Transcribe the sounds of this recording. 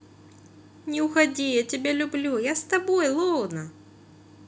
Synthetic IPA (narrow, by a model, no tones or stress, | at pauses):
nʲɪʊxɐdʲijatʲɪbʲelʲʊblʲujast̪ɐbojlˠɔwnɐ